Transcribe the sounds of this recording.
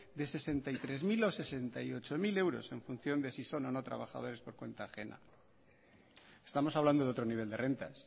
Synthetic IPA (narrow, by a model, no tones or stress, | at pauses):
d̪e̞se̞se̞nt̪ajt̪ɾe̞zmilose̞se̞nt̪ajo̞t͡ʃo̞mile̞wɾo̞̰se̞ɱfun̟θjo̞nd̪esiso̞no̞no̞t̪ɾa̰βa̰xa̰ð̞o̞ɾe̞spo̞ɾkwe̞̰nt̪aːxe̞na̰ | est̪amo̞saβland̪o̞ðo̞t̪ɾo̞niβe̞ld̪e̞rʔe̞nt̪as